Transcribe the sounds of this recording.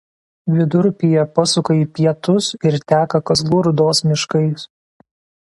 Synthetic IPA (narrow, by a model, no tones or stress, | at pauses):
ʋʲɪd̪ʊɾʲpʲɪjɛpɐsʊkɐiːpʲiɛt̪ʊsɪɾt̪ʲæːkɐkɐzʋuɾʊd̪oːsmʲɪʃkɐɪs